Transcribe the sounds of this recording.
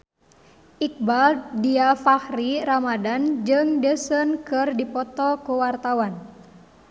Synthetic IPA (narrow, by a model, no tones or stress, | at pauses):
ʔik̚baldiafahriramadand͡ʒɨŋdəsənkɨrdipɔt̪ɔkuwart̪awan